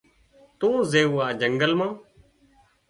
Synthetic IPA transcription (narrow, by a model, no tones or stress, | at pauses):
t̪õːzeːuːaːd͡ʒəŋɡəlmãː